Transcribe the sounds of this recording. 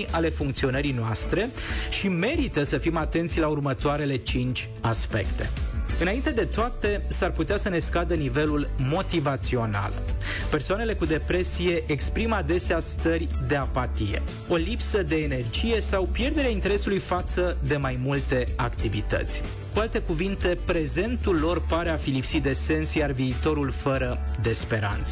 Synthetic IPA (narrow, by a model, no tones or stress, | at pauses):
ʔale̞fuŋk̚t̪sio̞nəɾinoast̪ɾe̞ʃime̞ɾit̪əsəfimat̪ent̪sʲlaurmət̪oaɾe̞le̞t͡ʃint͡ʃʲ | aspe̞̰kt̪e̞ɨnaint̪e̞d̪e̞t̪oat̪e̞sarput̪easəne̞skad̪ənive̞lulmo̞t̪ivat̪sio̞na̰l | pe̞rsoanele̞kud̪e̞pɾe̞sije̞ʔekspɾimad̪e̞seast̪ərʲd̪e̞apat̪ijḛ | o̞lipsəd̪e̞ːne̞rd͡ʒije̞sawpje̞rd̪eɾaint̪e̞ɾe̞sulujfat̪səd̪e̞majmult̪e̞akt̪ivit̪ə̰t̪sʲ | kualt̪e̞kuvint̪e̞pɾe̞ze̞nt̪ulːo̞rpaɾe̞afilipsit̪̚d̪e̞se̞nsjarviːt̪o̞ɾulfəɾəd̪e̞spe̞ɾa̰nt̪sə